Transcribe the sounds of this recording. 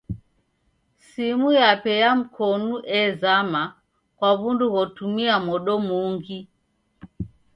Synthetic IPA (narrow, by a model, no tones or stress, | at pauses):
simujapɛjam̩kʰɔnuʔɛzama | kwaβunduɣɔtumiamɔɗɔmuŋɡi